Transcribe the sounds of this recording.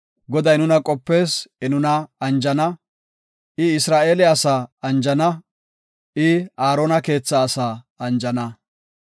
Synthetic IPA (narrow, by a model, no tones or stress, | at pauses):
ɡɔd̪ɐjnʊnɐkʼɔpːe̞ːsɪnʊnɐɐnd͡ʒɐnɐ | ʔɪɪsɾaːʔe̞ːlɛɐsaːɐnd͡ʒɐnɐ | ɪaːɾoːnɐke̞ːt͡sːɐːsaː | ɐnd͡ʒɐnɐ